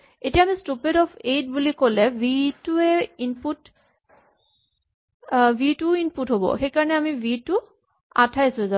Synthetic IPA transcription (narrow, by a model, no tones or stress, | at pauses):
etijaːmistupedɔpʰedbulikolɛvituɛinput | bituinputɦobɔ̰xejkaɹɔnɛamibitʊ | a̰tʰajsʊza